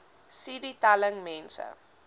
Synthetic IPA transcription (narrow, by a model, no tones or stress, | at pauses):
siɾitaləŋmɛ̃nsə̰